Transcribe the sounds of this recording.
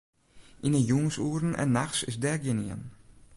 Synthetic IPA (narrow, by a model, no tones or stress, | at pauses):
ʔɪnəjuŋsuːɾən̩ʔɛ̰nːaxsɪsdɛɡeniə̰n